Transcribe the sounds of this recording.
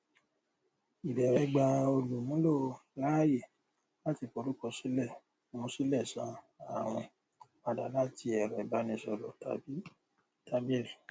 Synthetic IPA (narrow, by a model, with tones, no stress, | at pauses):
i˨dɛ˨ɾɛ˨˦ɡ͡ba˧o˧lu˨mũ˨˦lo˦˨la˦je˦˨ | la˦ti˧fo˧ɾu˦kɔ˧si˦lɛ˦˨ | mũ˧˦si˦lɛ˦˨sã˨˦ | a˦˨w̃ɔ̃˧ | a˨da˨˦la˦˨ti˧ɛ˨ɾɛ˨ba˨˦nĩ˧sɔ˧lɔ̰˨ta̰˧bi˦ | ta˧bi˦ɛ˦ɾi˨